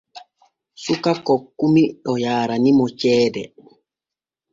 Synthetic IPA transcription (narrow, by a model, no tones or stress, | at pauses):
sukakɔkːumiɗɔjaːɾanimɔt͡ʃɛːdɛ̰